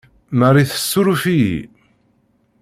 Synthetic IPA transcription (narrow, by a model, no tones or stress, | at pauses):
mərˤːiθə̥sːuɾufijḭ